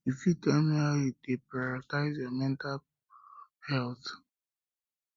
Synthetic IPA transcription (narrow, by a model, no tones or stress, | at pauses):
ifitɛmiajudepɹaɔtaɪzjɔmɛ̃ntal | hɛlθ